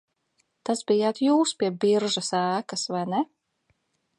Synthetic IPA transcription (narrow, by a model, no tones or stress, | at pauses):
t̪asbijaːt̪juːspʲiɛbiɾʒasæːkɐsvajnɛ